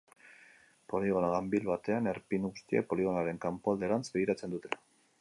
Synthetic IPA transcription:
po̞liɣo̞naɣambilβat̪e̞ane̞ɾpiŋɣust̪ia̰po̞liɣ̞o̞naɾe̞ŋkampoald̪eɾant͡sbe̞ɣ̞iɾat͡se̞nd̪ut̪e

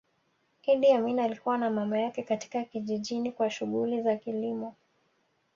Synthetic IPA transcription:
hiɗiaminalikuwanamamajakɛkati̥kakiʄiʄinikwaʃuɣulizakilimɔ

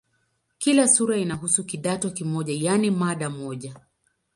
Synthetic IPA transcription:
kilasuɾainaɦusukiɗatɔkimɔʄajanimaɗamɔʄa

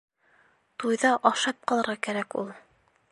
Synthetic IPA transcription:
t̪ujðɑʔɑʃɑp̚qɑlˠɤ̆ɾʁɑkæɾækṵlˠ

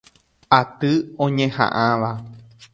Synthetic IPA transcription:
at̪ɨõɲẽhã̰ʔãʋa

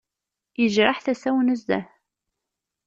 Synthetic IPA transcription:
jəʒɾˤɑħθæsæwnəzd̪æ̰h

